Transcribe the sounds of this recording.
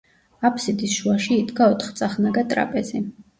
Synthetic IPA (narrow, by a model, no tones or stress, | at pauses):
apʰsid̪isʃuaʃiːd̪ɡaɔt̪ʰχt̪sʼaχnaɡat̪ʼɾa̰pʼɛzi